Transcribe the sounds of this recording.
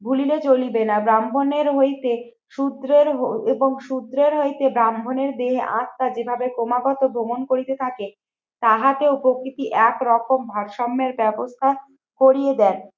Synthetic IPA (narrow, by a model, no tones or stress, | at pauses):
bʱulilet͡ɕolibenabɾambʱoneɾɦojt̪e | ʃud̪ɾeɾɦoeboŋʃud̪ɾeɾɦojt̪ebɾambʱoneɾd̪eɦeʔãt̪ːad͡ʑebʱabekomaɡɔt̪obʱomonkoɾit̪et̪ʰake | t̪aɦat̪eopokɾit̪iʔɛkɾɔkombʱaɾʃɔmːeɾbɛbost̪ʰa | koɾijed̪ɛn